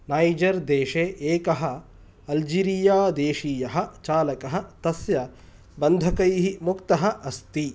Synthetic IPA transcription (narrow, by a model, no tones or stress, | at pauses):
naːjd͡ʒɐɾd̪eːʃeːʔeːkɐɦɐ | ɐld͡ʒiːɾijaːd̪eːʃiːjɐɦɐt͡ʃaːlɐkɐɦɐt̪ɐsjɐ | bɐnd̪ʱɐkɐjɦimukt̪ɐɦɐʔɐst̪i